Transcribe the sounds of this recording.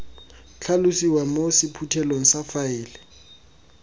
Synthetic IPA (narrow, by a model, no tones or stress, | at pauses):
t͡ɬʰalʊsiwamosɪpʰutʰɛloŋ̩safaɪːlɛ